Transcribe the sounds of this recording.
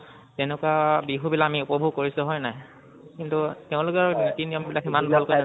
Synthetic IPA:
tɛnɛkuabiɦubilakamiʊpɔbʱuɡkoɹisʊɦɔjnaj | kintutɛʊ̃lʊkɛɹnitinijɔmbilakimanbʱalkoja

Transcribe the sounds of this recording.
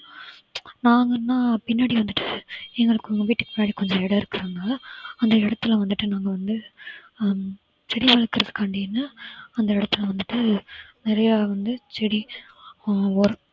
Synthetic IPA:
naːŋɡɐnːaːpɪnːaːɽiʋɐnd̪ɯʈːɯɛŋɡɐɭɯkːɯŋɡɐʋiːʈːɯkːɯ̥pɪnːaːɽikɔɲd͡ʒɐ̃ɛɽɐɪɾɯkːɯɾɐnɡɐɐnd̪ɐɪɽɐt̪ːɯlʋɐnd̪ɯʈːɯnaːŋɡɐʋɐnd̪ɯ | t͡ʃɛɽiʋɐlɯkːɯɾɐðɯkɐɳɖijnːɐɐnd̪ɐɪɽɐt̪ːɯɪlʋɐnd̪ɯʈːɯnɪɾɐjaʋɐnd̪ɯt͡ʃɛɽi | ɔɾɐ

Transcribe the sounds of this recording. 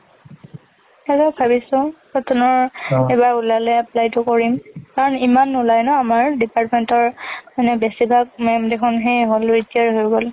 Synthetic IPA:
ɛkɔbʱabisʊ̃pɹɔtʰɔnɔɹɛbaɹulalɛaplajtʊkoɹimkaɹɔnimanulajnɔamaɹdipaɹtmentɔɹanɛbesibʱak̚mɛmdekʰɔnɦejɦolɹitiaɹɦojɡɔl

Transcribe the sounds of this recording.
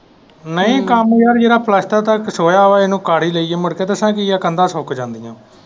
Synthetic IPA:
nəĩːkəmjaːɾjeːɾaːpʰləst̪aːt̪əksoːjaːʋaːenũːkaːɽiːləiːeːməɽkeːt̪əsãːkɪaːkənd̪aːsoːkd͡ʒãːnd̪ijãː

